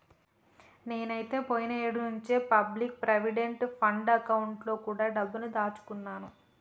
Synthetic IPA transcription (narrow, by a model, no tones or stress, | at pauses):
ne̞ːnɐjt̪e̞ːpoːjinɐeːɽunuɲt͡ʃeːpɐblik̚pɾeʋiɖeɳʈpʰɐɳɖɐkɐwuɳʈlo̞ːkuːɽaːɖɐbːunud̪aːt͡ʃu̥kunːaːnu